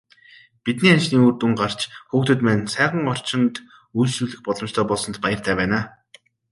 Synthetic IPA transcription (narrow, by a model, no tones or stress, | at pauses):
pit̪niːant͡ɕniːuːrt̪uŋɢar̥t͡ɕxuːxt̪ɵ̆t̪mæːnsæːʁə̆ŋɔr̥t͡ɕɪ̆nt̪ | ujɮsruːɮɘ̆xpɔɮɞ̆m̥t͡ɕt̪ʰœːpɔɮsɞ̆nt̪pajə̆r̥t̪ʰæːpæːnaː